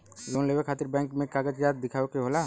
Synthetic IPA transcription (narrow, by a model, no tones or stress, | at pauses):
loːnleːʋəɾkʰaːt̪ɪɾbɛ̃ːŋkmẽkaːɡəd͡ʒjaːt̪̚d̪ɪkʰaːokeɦola